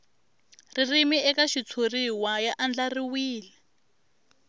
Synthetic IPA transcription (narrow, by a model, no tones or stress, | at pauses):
ririmiɛkaʃit͡sʰoriwajaʔand͡ɮariwiːlɛ